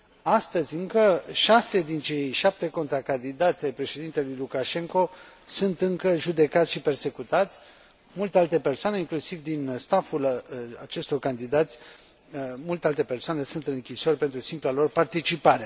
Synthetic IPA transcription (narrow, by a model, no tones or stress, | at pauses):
ast̪əzʲɨŋkəʃase̞d̪int͡ʃe̞jʃap̚t̪e̞ko̞nt̪ɾakand̪id̪at̪sʲajpɾe̞ʃed̪int̪e̞lujlukaʃe̞ŋko̞ | sunt̪ɨŋkəʒud̪e̞kat̪sʲʃipe̞rse̞kut̪at̪sʲ | mult̪e̞alt̪e̞pe̞rsoane̞iŋklusivd̪inst̪afulat͡ʃe̞st̪o̞rkand̪id̪at̪sʲ | mult̪e̞alt̪e̞pe̞rsoane̞sunt̪ɨnɨŋkʲiso̞rʲpe̞nt̪ɾusimplalo̞rpart̪it͡ʃipaɾe̞